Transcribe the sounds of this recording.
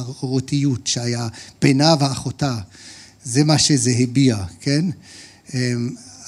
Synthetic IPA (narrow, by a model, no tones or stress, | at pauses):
oʁotijutʃeajab̥enaveaχota | zemaʃezeɦebiakʰen | em